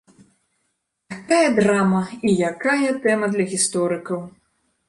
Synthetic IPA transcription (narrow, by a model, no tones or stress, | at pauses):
jakajɐd̪ɾamɐijakajɐt̪ɛmɐd̪lʲɐɣʲist̪ɔɾɨkɐw